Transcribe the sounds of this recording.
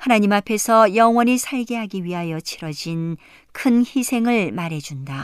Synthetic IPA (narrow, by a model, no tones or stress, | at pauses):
hanaɲimapʰe̞sʰʌjʌŋwʌɲisʰaɭɡe̞ɦaɡiɥiɦajʌt͡ɕʰiɾʌd͡ʑin | kʰɯnçisʰe̞ŋɯɭmaɾe̞d͡ʑunda